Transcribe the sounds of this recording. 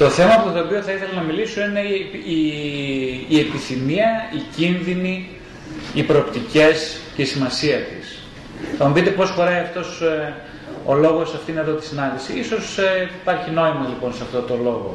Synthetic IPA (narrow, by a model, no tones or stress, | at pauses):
t̪o̞θe̞mɐɐpt̪ot̪oːpio̞θɐiθe̞lɐnɐmiliso̞ine̞iː | e̞piθimiɐicinðini | ipɾoːpt̪ice̞sceisimɐsiɐt̪is | θɐmupit̪e̞po̞sxo̞ɾɐiɐft̪o̞s | o̞lo̞ɣo̞sɐft̪ineðo̞t̪i̥sinɐnd̪isiiso̞sipɐɾçino̞imɐlipo̞nseɐft̪o̞t̪o̞lo̞ɣo̞̰